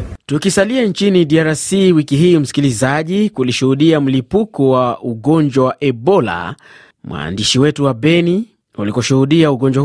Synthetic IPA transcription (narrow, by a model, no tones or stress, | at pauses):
tukisaliant͡ʃiniɗiaɾasiwikiɦiːm̩si̥kilizaʄikuliʃuhuɗiam̩lipukɔwauɠɔɲd͡ʒwawaʔɛɓɔla̰ | mwa̰ːndiʃiwɛtuwaɓɛni | ulikɔʃuhuɗiauɠɔɲd͡ʒwa